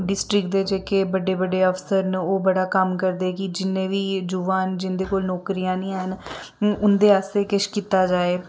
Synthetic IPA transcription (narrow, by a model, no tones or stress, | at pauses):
ɖɪsʈɾɪkd̪eːd͡ʒeːkeːbəɖeːbəɖeːəfʰsəɾnoːbəɽaːkəmkəɾd̪eːkid͡ʒɪnːẽːʋiːd͡ʒuʋaːnd͡ʒɪnd̪eːkoːlnɔːkɾiːãːnĩːɦən | ʊnd̪eːaːst̪eːkɪʃkiːt̪aːd͡ʒaːeː